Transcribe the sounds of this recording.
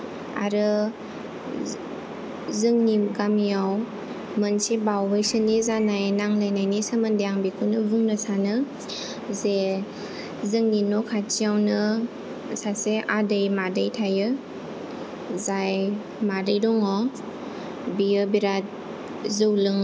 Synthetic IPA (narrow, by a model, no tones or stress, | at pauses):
a̰ɾɯ | zɯŋniɡamijaw | mənsibawbɯjsɯnizanajnaŋlajnajnisɯməndejaŋbikʰunɯbuŋnasanɯ | ze | zɯŋninɔkʰat͡ʃijawnɯ | saseʔadəjmadɯjtʰajɯ | zaj | madɯjdɔŋɔ | bijɯbiɾat̚ | zɯwlɯŋ